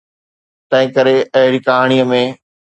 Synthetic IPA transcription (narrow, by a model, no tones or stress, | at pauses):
t̪ɐ̃ɦɪ̃kəɾeɐɦɪɽikaɦaɽ̃ijəmẽː